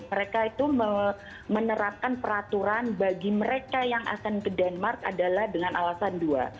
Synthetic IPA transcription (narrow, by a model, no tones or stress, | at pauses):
əɾekait̪umə | mənəɾap̚kanpəɾat̪uɾanbaɡiməɾekajaŋʔa̰kanbədanmarka̰dalahdəŋanalasandua̰